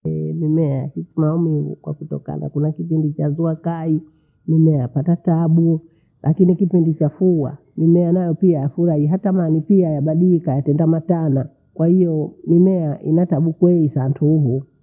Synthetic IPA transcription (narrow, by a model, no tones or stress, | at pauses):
ɛmimɛahisimaumivṵkwa̰kutɔ̰ka̰na̰kunakipindit͡ʃazuakai | nimɛapatataɓu | lʔakinikipindit͡ʃafuwa̰ | mimɛanajɔpiajafuɾahiɦatamanipiajaɓaɗikajatɛndamatana | kwahijɔmimɛaʔḭnataɓukwɛisantʰuɦu